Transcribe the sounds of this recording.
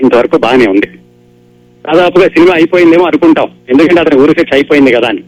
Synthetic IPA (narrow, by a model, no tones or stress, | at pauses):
int̪ɐʋɐɾɐkuːbaːɡɐneːund̪i | d̪̥aːd̪aːpuɡaːsinimaːɐjipo̞ːjind̪eːmoːɐnukuɳʈaːwend̪ukɐɳʈeɐt̪ɐniuːɾuseʈsɐjpoːjind̪ikɐd̪aːni